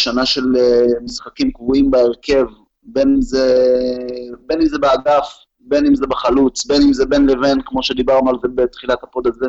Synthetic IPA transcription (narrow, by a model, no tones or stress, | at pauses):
ʃanaʃe̞lemisχakimkvuimbaeʁke̞v | be̞nimze | be̞nimzebeaɡaf | be̞nimzebeχalut͡sbe̞nimzebe̞nle̞ve̞nkmo̞ʃe̞d̪ibaʁnualzebet̪χilatapo̞d̪aze